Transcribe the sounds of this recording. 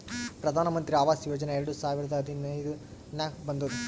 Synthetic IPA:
pɾɐd̪ʱaːnɐmɐnt̪ɾiaːʋaːsjoːd͡ʒɐneeɾɐɽusaːʋiɾɐd̪ɐɐd̪ʱinɐjd̪u | naːkbɐnd̪ud̪u

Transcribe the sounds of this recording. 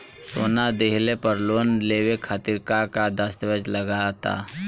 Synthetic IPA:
soːnad̪eɦlepəɾloːnleːwekʰat̪ɪɾkakad̪əst̪ʋəd͡ʒləɡat̪a̰ː

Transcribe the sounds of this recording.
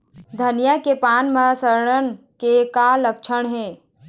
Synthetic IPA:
d̪ʱənijakepaːnməsəɾɽən | kekalək̚t͡ʃʰəɳ̃ɦẽː

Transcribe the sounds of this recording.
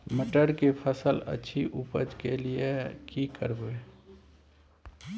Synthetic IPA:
məʈəɾkepʰəsələ̰tːʃʰiʔuːpə̰d͡ʒkeliekikə̰ɾboe

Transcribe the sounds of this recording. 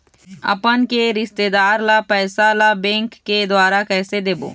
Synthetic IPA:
ɐ̰pənkeɾɪʃt̪eːd̪aːɾlapɛːsalabɛ̃ːŋkːed̪waːɾakɛːsed̪eːbo̰ː

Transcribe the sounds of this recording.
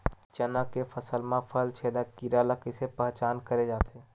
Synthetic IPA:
t͡ʃənakefʰəsəlmãpʰəlt͡ʃʰeːd̪akiɾaləkɪsepɛɦt͡ʃaːnkəɾed͡ʒaːt̪ʰeː

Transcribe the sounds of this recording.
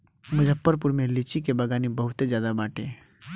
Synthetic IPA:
mʊd͡ʒəpːəɾp̬ʊɾmẽlit͡ʃikebɐɡaːnibɐɦʊt̪ed͡ʒjaːd̪abaːʈḛː

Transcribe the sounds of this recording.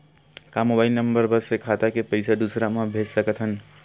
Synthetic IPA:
kamobaɪilnəmbəɾbəsekʰat̪akepəɪsʰad̪usɾamãbʱed͡ʒsəkət̪ɦən

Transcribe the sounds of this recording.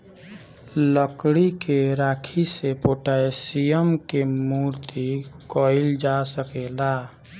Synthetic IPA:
ləkɽikeɾakʰisepoʈaesijəmkemuɾt̪ikɔɪld͡ʒasəkela

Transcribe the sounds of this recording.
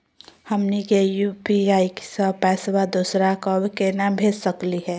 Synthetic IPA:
hɐmnikejuːpiaːiksəpɛːswad̪uːsɾakɔbkenabʱeːd͡ʒsəkliɦɛː

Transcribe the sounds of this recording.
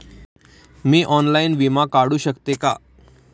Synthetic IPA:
miːʔɔnlainʋimakaɽuːɕəkt̪eka̰

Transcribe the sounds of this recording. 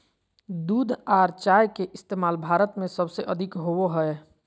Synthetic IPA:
d̪uːd̪ʱaːɾt͡ʃaːjkeʔɪst̪eːmaːlbʱaːɾət̪mẽsəbseʔəd̪ʱɪkɦowoɦɛe

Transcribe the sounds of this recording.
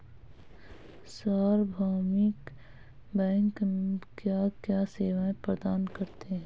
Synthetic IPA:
saːɾbʱaːmɪk | bɛ̃ːŋkkjaːkjaːseːʋaːẽpɾəd̪aːnkɐɾt̪eɦɛ̃

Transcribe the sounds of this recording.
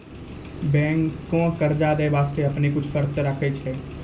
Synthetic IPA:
bɛ̃ːŋːõkəɾd͡ʒaːd̪eːbaːst̪eɐpnekʊt͡ʃʰsəɾt̪ɾəkʰet͡ʃʰɛː

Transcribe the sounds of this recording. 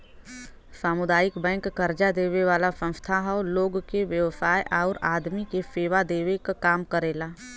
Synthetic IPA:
saːmʊd̪aːjɪkbɛ̃ːŋkːɐɾd͡ʒad̪eːʋeʋaːlasə̃nst̪ʰaɦaloːɡkeʋjəʋsaːjʔaːɾaːd̪mikefeːʋad̪eːʋekakaːmkəɾeːlaː

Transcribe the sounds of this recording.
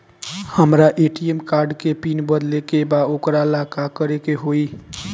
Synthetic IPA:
həmɾaʔeʈiemkaɾɖkepinbəd̪lekebaokɾalakakəɾekeɦoi

